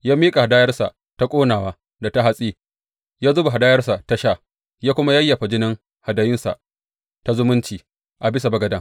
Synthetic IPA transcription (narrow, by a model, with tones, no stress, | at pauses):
jaː˦miː˦kʼa˨ha˨daː˦jɐ˦rsa̰˨ | ta˦kʷʼoː˦naː˨waː˦ | da˨ta˦ɦa˦sʼiː˦ | jaː˦zʊ˦ba˨ɦa˨daː˦jɐ˦rsa˨ta˦ʃaː˦˨ | jaː˦kʷʊ˦ma˦jɐ˦jːa˨ɸa˨d͡ʒɪ˦nɪ˦ŋ | ha˨da˨jɪ˦nsa̰˨ʔ | ta˦zʊ˦mʊ˦nt͡ʃiː˨ | ʔa˨bɪ˦sa˨bɐ˦ɡɐ˨dɐ˦